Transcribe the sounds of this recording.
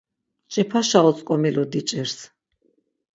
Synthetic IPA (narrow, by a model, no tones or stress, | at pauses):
t͡ʃʼɛpʰaʃaɔsʼkʼɔmilɔd̪it͡ʃʼɛɾs